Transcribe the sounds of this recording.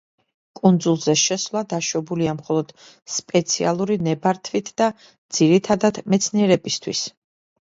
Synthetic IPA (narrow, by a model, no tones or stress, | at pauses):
kʼund̪zulˠzɛʃɛsvlˠad̪aʃɔbuliamχɔlˠɔd̪̥ | spʼɛt̪sʰia̰lˠuɾinɛbaɾt̪ʰvit̪ʰd̪̥a | d̪z̥iɾit̪ʰad̪ad̪mɛt̪sʰniɛɾɛbist̪ʰwḭs